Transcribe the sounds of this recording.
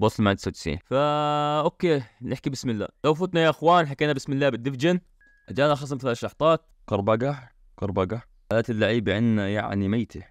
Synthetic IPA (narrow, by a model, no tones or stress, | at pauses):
bɑsˤːlmad̪sat̪sḭnfaʔokːeːnʔɪħkibɪsmɪlːa̰ːlawfʊt̪najaʔɪxwaːnħakeːnabɪsmɪlːaːbɪd̪ːɪfd͡ʒɪn | ʔad͡ʒaːnaxɑsˤɑnk̪laʃːɑħt̪ˤɑːt̪̚qɑɾˤbɑɡa | qɑɾˤbɑɡa | ʔalat̪ɪlːaʕiːbʕɪnːaja̰ʕnimajt̪ʰi